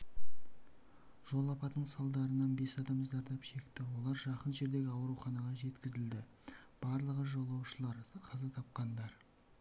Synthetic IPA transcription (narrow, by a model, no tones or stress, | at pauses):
ʒ̥o̞lˠɑpɑt̪əɴsɑlˠd̪ɑɾənɑnbe̞sɑd̪ɑmzɑɾd̪ɑpʃe̞kt̪ɪwo̞lˠɑɾʒɑqənʒe̞ɾd̪e̞ɡʲɪɑwɾuχɑnɑʁɑʒe̞t̪kʲɪzɪld̪ɪ | b̥ɑɾlˠəʁəʒo̞lˠːɑwʃəlˠɑɾqʰɑzɑt̪ʰɑp̚qɑnd̪ɑɾ